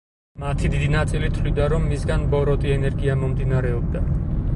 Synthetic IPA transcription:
mat̪ʰid̪id̪inat̪sʼilit̪ʰlid̪aɾɔmːisɡanbɔɾɔt̪ʼiɛnɛɾɡiamɔmd̪inaɾɛɔb̚d̪a

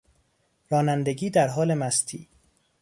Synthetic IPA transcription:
ɾɒːnænd̪eɡiːd̪æɾɦɒːle̞mæst̪ʰḭː

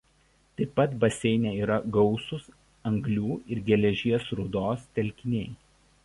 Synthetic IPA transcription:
t̪ɐɪpːɐt̪bɐsʲɛɪnʲɛːiːɾɐɡɒʊsʊs | ɐŋɡlʲuːɪɾɡʲɛlʲɛʒʲiɛsɾʊd̪oːst̪ʲɛlʲkʲɪnʲɛɪ

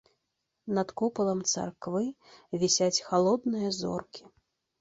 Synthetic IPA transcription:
nɐt̪kɔpɐlˠɐmt̪sa̰rkvɨ | vʲɛsʲat͡sʲxalˠɔd̪nɨjɐzɔ̰rkʲʰi̥

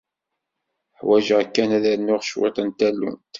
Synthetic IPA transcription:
ħwæʒækːænæðænːʊʁʃwɪ̰t̪ˤənt̪ælːṵnt̪

